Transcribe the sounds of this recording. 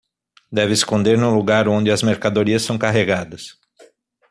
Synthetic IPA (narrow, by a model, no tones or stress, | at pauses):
d̪ɛvɪːskõnd̪eɾnʊluɡaɾõnd͡ʒ̪ɪɐzmeɾkad̪oɾiɐssːɐ̃w̃kaɦeɡad̪ɐs